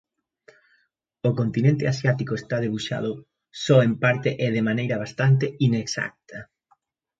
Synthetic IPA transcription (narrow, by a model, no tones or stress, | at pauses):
okont̪inẽnt̪easjat̪ikoest̪að̞eβuʃa̰ð̞ʊ | sɔempaɾt̪eʔɛðemanejɾɐβ̞ast̪ant̪̬eineksa̰k̚t̪ɐ